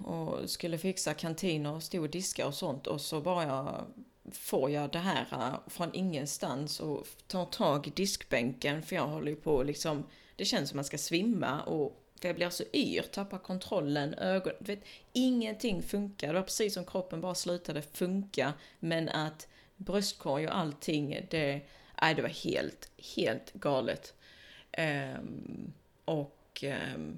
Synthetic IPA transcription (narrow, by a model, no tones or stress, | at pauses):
ɔ̰skɵlːəfɪksakʰant̪ʰiːnəɾɔst̪uːd̪ɪska̰ɾɔsɔnt̪ʰɔ̰sɔbɑːɾaja | foːɾjɑd̪ɛɦæːɾa̰fɾɔnʔɪŋːənst̪ansɔt̪ʰɑːt̪ʰɑːɡɪd̪ɪskbɛŋkənfəɾjɑːɡɦɔlːəjɵpʰɔlɪksɔm | d̪̥ɛɕɛnsɔmːanskasvɪmːa̰ʔɔ | fœɾjɑblɪɾasɔʔy̰ːɾt̪ʰapːakʰɔnt̪ʰɾɔlːənʔøːɡɔd̪ɵveːt̪ɪŋːənt̪ʰɪŋːfɵŋkaɾd̪ɛvapʰɾɛsiːsːɔmkʰɾɔpːənbɑːɾaslʉ̟ːt̪ad̪əfɵŋkamɛnʔat̪ | bɾœst̪̚kʰɔɾjɔ̰ʔalt̪ʰɪŋːd̪ɛʔæ̰ɪd̪ɛvaɾhḛːlt̪heːlt̪ɡɑːlə̰t̪ʔ | ʔɔk